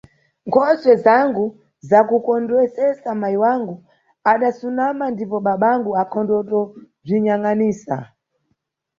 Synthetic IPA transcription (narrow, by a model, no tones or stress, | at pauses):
ŋkʰɔswɛzaŋɡu | zakukɔndwɛsɛsamajiwaŋɡu | aɗasunamandipɔɓaɓaŋɡuakʰɔndɔtɔ | b͡ʐʷiɲaŋaniːsa̰